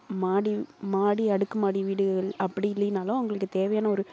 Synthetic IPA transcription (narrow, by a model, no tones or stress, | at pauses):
maːɽimaːɽiɐɽɯkːɐmaːɽiʋiːɽɯɣɐɐɭɐpːɐɽiɪlːɐjɯnaːlʊ̃ʊŋɡɐɭɯk̬ːɯt̪eːʋɐjaːnɐɔɾɯ